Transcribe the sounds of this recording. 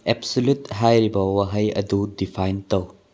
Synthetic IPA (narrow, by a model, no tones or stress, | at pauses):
ebsolutɦajɾibɐwɐɦɐjɐ̰dudipʰajntɐw